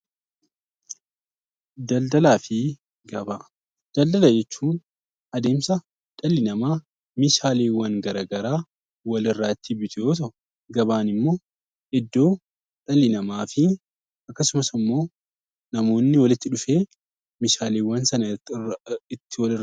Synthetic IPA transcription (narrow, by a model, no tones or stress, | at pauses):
d̪ɐld̪ɐlaːfɪ | ɡɐbaː | d̪̥ɐld̪ɐlɐd͡ʒɛt͡ʃːuːn | ɐd̪e̞ːmsɐ | ᶑ̪ɐlɪnɐmaː | mɪʃaːleːwɐŋɡɐɾɐːɡɐɾaː | wɐlɪrːaːɪt̪ːɪbɪt̪ʰʊjoːt̪̬ɐ | ɡɐbaːnɪmːo̞ː | ɪd̪ːo̞ː | ᶑ̪ɐlːɪnɐmaːfɪ | ʔɐkːɐsʊmɐsɪmːo̞ː | nɐmo̞ːnːɪwɐlɪt̪ːɪᶑʊfeː | mɪʃaːleːwːɐnsɐnɐ | ɪt̪ːɪwɐlɪr